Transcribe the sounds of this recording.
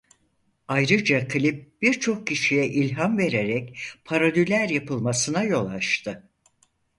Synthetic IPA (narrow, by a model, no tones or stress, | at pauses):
ajɾɯd͡ʒakʰlʲip̚b̥iɾt͡ʃʰo̞k̚cʰiʃijɛʔilʲɦamve̞ɾeɾɛcpʰaɾalylʲæɾjapʰɯlˠmasɯnajo̞lˠaʃt̪ʰɯ